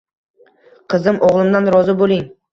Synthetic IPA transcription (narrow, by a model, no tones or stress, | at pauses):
qʰɨzɪmʔɒʁlˠɪmd̪anɾɒzɪbolɪŋ